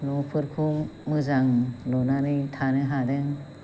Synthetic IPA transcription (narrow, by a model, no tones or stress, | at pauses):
lɔŋpʰɯɾkʰumːɯzaŋlɔnanitʰanɯɦadeŋ